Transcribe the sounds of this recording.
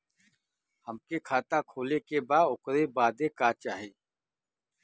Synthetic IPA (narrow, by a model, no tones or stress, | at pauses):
həmkekʰaːt̪akʰoːlekebaːʊkɾebaːd̪ekaːt͡ʃaːɦeː